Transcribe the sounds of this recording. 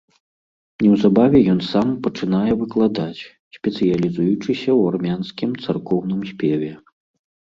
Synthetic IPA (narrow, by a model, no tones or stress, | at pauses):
nʲɛwzabavʲɛjɔn̪sampɐt͡ʂɨn̪ajɛvɨklˠad̪at͡sʲ | sʲpʲɛt̪sɨjɐlʲizujut͡ʂɨsʲɐwarmʲanskʲimt̪sarkɔwnɨmsʲpʲɛvʲɛ